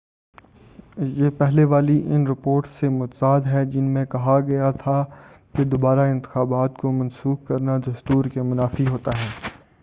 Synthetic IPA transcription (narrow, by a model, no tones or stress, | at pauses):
jeːpɛɦleʋaːliʔɪnɾɪpoːɾʈsːemʊt̪əzaːd̪ɦɛd͡ʒɪnmẽkɐɦaɡɐjat̪ʰa | ked̪obaːɾaɪ̃nt̪ɪ̥xaːbaːt̪komɐ̃nsuːxkɐɾnaɖɐst̪uːɾkemʊnaːfiɦoːt̪aɦɛː